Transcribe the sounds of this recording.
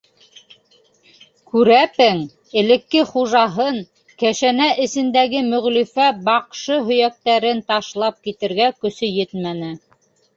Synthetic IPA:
kʉɾæpɘŋ | ɘ̆lɘ̆kːɘχuʒɑɦɤn | kæʃænæʔɘ̆sɘ̆nd̪æɡɘmɵ̆ʁlifæbɑqʃɤɦɵ̆jæk̚t̪æɾɘnt̪ɑʃlˠɑp̚kit̪ɘ̆ɾɡækɵ̆sɵjɘt̪mænɘ

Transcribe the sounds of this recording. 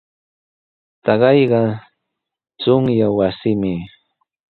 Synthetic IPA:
t̪ɑɢɑjɢɑ | t͡sʊŋjawasɪmɪ

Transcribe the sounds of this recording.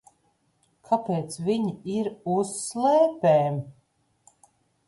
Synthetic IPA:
kʰapeːt̪sviɲiiɾusːlɛːpeːm

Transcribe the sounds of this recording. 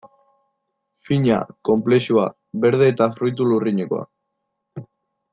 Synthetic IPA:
fiɲa̰ko̞mple̞ʃua̰ | βe̞ɾð̞e̞ːt̪afɾujt̪̬uluriɲeko̞a̰

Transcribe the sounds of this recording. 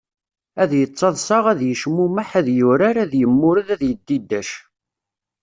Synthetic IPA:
æðjət͡sˤːɑðˤsɑʁæðjəʃmumaħæðjʊɾaɾæðjəmːʊɾəðæðjəd̪ːid̪ːæʃ

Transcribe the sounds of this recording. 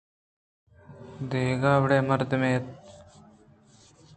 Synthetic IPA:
d̪eːɡaːbɽeːmɐɾd̪əmeːt̪̚

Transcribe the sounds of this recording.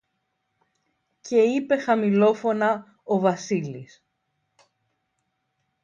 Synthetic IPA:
ce̞ipe̞xɐmilo̞fo̞nɐ | o̞vɐsilis

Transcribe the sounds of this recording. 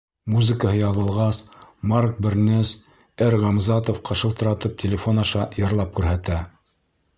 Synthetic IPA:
muzɘ̆kəhɤjɑðɤ̆lˠʁɑsmark̚bɘ̆ɾnɘs | æɾʁɑmzɑt̪ofqɑʃɤlˠt̪ɤ̆ɾɑt̪ɤp̚tʲɪlʲɪfonɑʃɑjɤ̆ɾlˠɑp̚kʉɾɦæt̪æ

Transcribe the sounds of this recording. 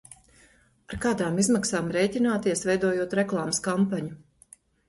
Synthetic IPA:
aɾkaːd̪aːmizmaksaːmɾɛjcʲinaːt̪iɛsvɛjd̪uɔjuɔt̪ɾɛklˠaːmskampaɲu

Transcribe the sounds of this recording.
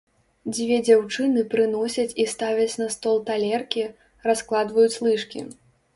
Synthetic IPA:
d͡zʲvʲɛd͡zʲawt͡ʂɨnɨpɾɨnɔsʲɐt͡sʲist̪avʲɐt͡sʲnɐst̪ɔlˠt̪alʲɛrkʲi | rasklˠad̪vɐjut͡sʲlˠɨʂkʲḭ

